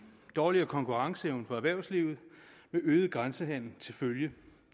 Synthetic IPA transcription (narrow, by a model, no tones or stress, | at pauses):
d̥ɒːliɐkʰɒ̽ŋkʰuʁɑ̈ŋsəeʊnpɒ̽æɐʋæɐ̰ʊsliːʊð̞̩ˠ | meʔøːð̞ˠəɡ̥ʁansəɦæn̰l̩t͡sʰe̝lføljə